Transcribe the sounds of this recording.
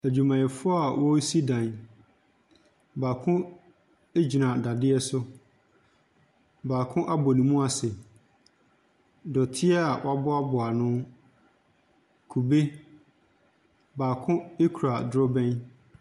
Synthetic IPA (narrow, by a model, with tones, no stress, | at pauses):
æ˨d͡ʑᶣu˨mã˨ɛ˨fʊ˦a˨wʔɔ˦si˦dã˨n | baː˨kʰʊ̃˦ | e˦d͡ʑi˨nã˨da˨dɪ˦ɛ˦sʊ˦ | baː˨kʰʊ̃˦ʔa˦bo˨nĩ˨mũ˦a˨sɪ˨ | dɔ˨tʰɪ˦ɛ˦a˨wʔa˦bʊ˦a˦bʊ˨a˨nʊ̃˦ | kʰu˨be˦ | baː˨kʰʊ̃˦e˦kʰu˨ɾa˨dɾɔ˦bɛ̃˦n